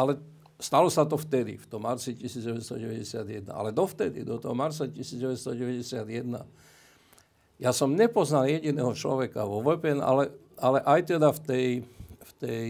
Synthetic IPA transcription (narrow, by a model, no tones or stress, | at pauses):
alɛ | st̪alɔsat̪ɔft̪ɛd̪ḭft̪ɔmːaɾt͡sicisiːzɟɛʋɛst̪ɔ̰ɟɛʋɛɟɛsɪad̪jɛd̪̚na̰a̰lɛd̪ɔft̪ɛd̪ḭd̪ɔt̪ɔɦɔmaɾt͡sacisiːd͡zɟɛʋɛst̪ɔɟɛʋɛɟɛsɪad̪jɛd̪na̰ | jasɔmɲɛpɔznaljɛɟinɛːɦɔt͡ʃlɔ̰ʋɛkaʋɔʋɛpɛɛna̰lɛ | alɛʔajt̪ɛd̪aft̪ɛjft̪ɛj